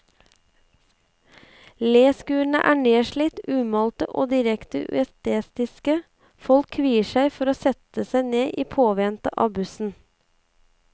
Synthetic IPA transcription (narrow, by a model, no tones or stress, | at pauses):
leːskʉːɳ̩ə̰ʔæːɳeːʃɭɪt̪ʉːmɑlt̪əʔo̰ːd̪ɪɾɛkt̪əʔʉ̰ɛst̪eːst̪ɪskə | fɔlkʰːʋiːəʃæɪfɔɾoːsɛt̪əsæɪneːʔiːpʰoːʋɛnt̪əʔɑ̰ːbʉsn̩